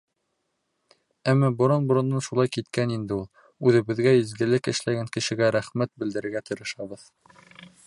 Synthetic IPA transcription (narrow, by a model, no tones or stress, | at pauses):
æmːæbŏɾɑnbŏɾɤ̆nːɤnʃulˠɑjkit̪kænind̪ɘulˠ | ʉðɘ̆βɘ̆ðɡæizɡɘ̆lɘkɘ̆ʃlæɡæŋkɘ̆ʃɘ̆ɡæɾæχmæt̪̚bɘ̆ld̪ɘ̆ɾɘ̆ɾɡæt̪ɤ̆ɾɤ̆ʃɑβɤð